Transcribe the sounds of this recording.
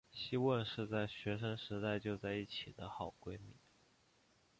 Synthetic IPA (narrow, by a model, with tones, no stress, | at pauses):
ɕi˥wə˥˧nʂɻ̩˥˧t͡sa˥˩ɪɕɥɛ˧˥ʂ̬ɤə˥ŋʂɻ̩˧˥t̪a˥˧ɪt͡ɕjo˥˧ʊt͡sa˥˧ɪi˥˩t͡ɕʰi˨˩d̪ə˦xɑ˨˩ʊkwe˥ɪmḭ˧˩˦